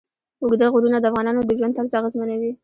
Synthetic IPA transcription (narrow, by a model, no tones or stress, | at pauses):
ʊɡd̪aɣʊɾunad̪əafɣɑnɑnod̪əʒwand̪t̪alzɑɣazmənawi